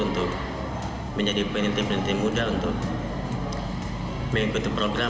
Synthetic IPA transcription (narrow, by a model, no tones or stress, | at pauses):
unt̪ʊk̚ | məɲd͡ʒadipənənt̪ipənənt̪imudaunt̪ʊk̚ | məkut̪upɾoɡɾa